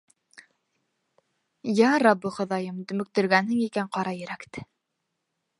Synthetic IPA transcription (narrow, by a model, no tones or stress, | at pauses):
jæɾɑbːɤχŏðɑjɤmt̪ɵ̆mɵ̆k̚t̪ɵ̆ɾɡænhɘŋikæɴqɑɾɑjɘ̆ɾækt̪ɘ̥